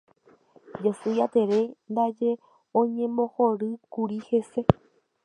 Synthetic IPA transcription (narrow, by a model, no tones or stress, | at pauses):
d͡ʒasɨjat̪e̞ɾe̞nd̪ad͡ʒe̞ | õɲẽ̞mõ̞hoɾɨkuɾihe̞se̞